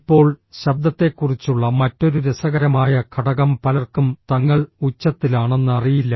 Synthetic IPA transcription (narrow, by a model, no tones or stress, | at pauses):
ipːo̞ːɭɕɐb̚d̪ɐt̪ːe̞kːurit͡ɕːuɭːɐmɐtːo̞ɾuɾesɐɣɐɾɐmaːjɐkʰɐɽɐɣɐmpɐlɐrkumt̪ɐŋːɐɭut͡ɕːɐt̪ːilaːɳe̞nːɨɐrijilːɐ